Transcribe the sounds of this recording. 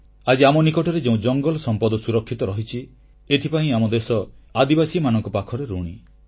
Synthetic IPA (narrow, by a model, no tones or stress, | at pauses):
ad͡ʒiamɔnikɔʈɔɾed͡ʒeũd͡ʒɔŋɡɔlɔsɔmpɔd̪ɔsuɾɔkʰːit̪ɔɾɔɦit͡ʃʰi | et̪ʰipaĩamɔd̪esɔad̪ibasiɔmanɔŋkɔpakʰɔɾeɾuɽ̃i